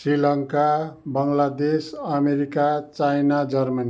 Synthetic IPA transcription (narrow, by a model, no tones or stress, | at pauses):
srilʌŋkabʌŋlad̪esʌmeɾikat͡sajnad͡zʌrmʌni